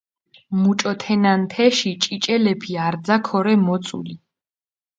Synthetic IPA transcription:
mut͡ʃʼɔt̪ʰɛnant̪ʰɛʃit͡ʃʼit͡ʃʼɛlɛpʰiaɾd̪zakʰɔɾɛmɔt̪sʼṵli

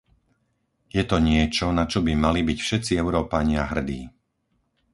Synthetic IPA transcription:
jɛt̪ɔɲɪɛt͡ʃɔnat͡ʃɔbimalibicfʃɛt̪t͡siɛʊɾɔːpaɲɪaɦr̩d̪ḭː

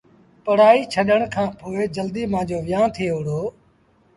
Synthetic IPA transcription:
pəɽaːiːt͡ʃʰəɗəɳkʰãːpʰoːeːd͡ʒəld̪iːmãːd͡ʒoːʋɪjãːnt̪ʰeːɦoːɽoː

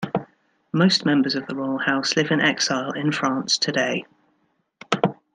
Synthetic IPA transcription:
məʊsmɛ̃mbəzəvðəɹɔːlˠhaʊslɪvɪ̃nʔɛ̰ksaɪlɪ̃nfɹɑ̃ˑnstʰədeɪ

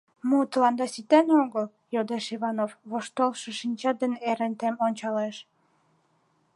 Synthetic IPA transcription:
mot̪əlɑnd̪ɑsit̪enoɣəl | jod̪eʃiβɑnofβoʃt̪olʃĕʃinʲt͡ɕɑd̪eneeɾent̪emonʲt͡ɕɑleʃ

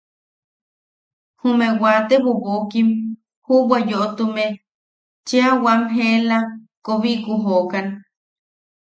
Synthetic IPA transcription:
humewat̪eβuβokim | huʔwajoʔt̪ume | t͡ʃeawamɦelakoβikuɦokan

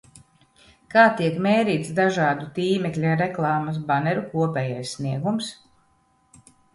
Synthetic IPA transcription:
kaːt̪iɛkmeːɾiːt̪sd̪aʒɑːd̪ut̪iːmɛklʲaɾɛklˠɑːmasbanɛɾukuɔpɛːjajssːniɛɡums

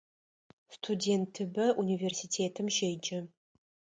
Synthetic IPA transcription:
stʰudentʰɨbɐʔunʲiversitʰeːtʰɨmʃejd͡ʒɐ

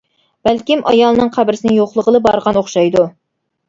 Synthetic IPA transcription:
b̥ælkʲimʔɑjɑlˠnɨŋqʰæbɾɪsɪnɪjoχlˠəʁəlˠɨbɑɾʁɑnoχʃɑjd̪u

